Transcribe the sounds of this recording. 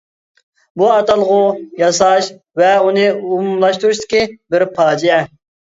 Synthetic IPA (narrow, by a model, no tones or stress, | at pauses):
buɑt̪ɑlˠʁʊjɑs̬ɑʃ | vɛunɨumumlˠɑʃt̪uɾuʃt̪ɪ̥kʲibɪɾpʰɑːd͡ʒijɛ